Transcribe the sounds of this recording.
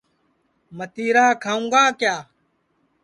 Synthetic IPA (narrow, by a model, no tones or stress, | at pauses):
mət̪iːɾaːkʰaːũːɡaːkjaː